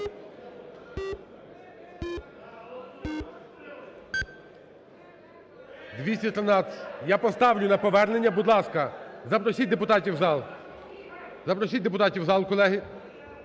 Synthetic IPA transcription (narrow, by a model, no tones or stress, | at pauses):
d̪ʋʲisʲtʲɐt̪ɾenɑjapɔst̪ɑwlʲʊnɐpɔʋɛrnenʲːɐbʊd̪lˠɑskɐzɐpɾɔsʲit̚ʲd̪epʊt̪ɑtʲiwzɑlˠ | zɐpɾɔsʲid̪ep̬ʊt̪ɑtʲiwzɑlˠkɔlˠɛɦɪ